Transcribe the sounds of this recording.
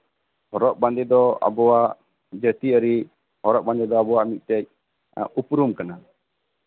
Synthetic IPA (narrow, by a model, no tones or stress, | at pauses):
hɔɾɔʔ̚band̪ɛd̪ɔa̰bɔwaʔʔ | d͡ʒət̪iəɾi | hɔɾɔʔ̚bãnd̪ɛd̪ɔabɔwaʔmit̪̚ˀt̪ɛc̚ | upɾumkana